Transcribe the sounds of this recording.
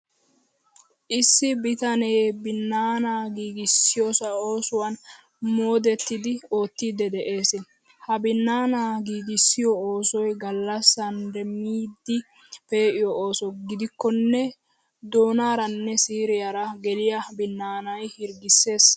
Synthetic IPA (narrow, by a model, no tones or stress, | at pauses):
ʔɪsːɪbɪt̪ɐneːbɪnːaːnaːɡiːɡɪsːɪjoːsɐoːsʊwɐn | mo̞ːd̪ɛt̪ːɪd̪ɪo̞ːt̪ːid̪ɛd̪ɛʔe̞ːsɪ | hɐbɪnːaːnaːɡiːɡɪsːɪjɔoːsɔjɡɐlːɐsɐnd̪ɛmiːd̪ːɪ | pe̞ːʔɪjɔoːsɔɡɪd̪ɪkːɔnːɛ | d̪o̞ːnaːɾɐnːɛsiːɾɪjaɾɐɡɛlɪjɐbɪnːaːnɐjhɪɾɡɪsːe̞ːs